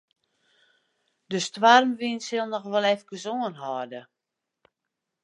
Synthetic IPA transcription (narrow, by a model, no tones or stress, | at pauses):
dəstʋarmʋinsɪlˠnɔxʋɔlˠɛfɡəzoənɦɔrdə